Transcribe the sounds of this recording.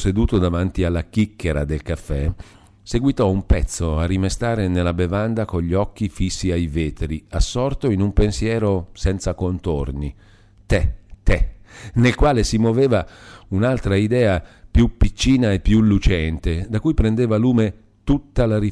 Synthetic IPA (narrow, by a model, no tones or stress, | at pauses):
sed̪uːt̪od̪avant̪ialːak̟ikːeɾa̰d̪elkafːɛ | seɡwit̪ɔumpɛt̪sːoarːimest̪aːɾenelːabevand̪akoʎːiɔkːifisːiajveːt̪ɾiasːɔrt̪oinumpensjɛːɾosɛnt̪sakont̪orni | t̪ɛt̪ɛnelkwaːlesimwoveːvaunalt̪ɾaid̪ɛːapjupːit͡ʃːiːnaepːjulːut͡ʃɛnt̪ed̪akujpɾend̪eːvaluːme | t̪ut̪ːalaɾi